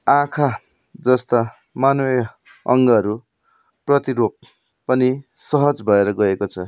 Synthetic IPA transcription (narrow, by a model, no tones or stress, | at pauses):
ãkʰa | d͡zʌst̪a | manue | ʌŋɡʌʌɾu | prʌt̪iɾopː | ʌni | sʌɦʌd͡zbʱʌeɾʌɡʌekot͡sʰʌ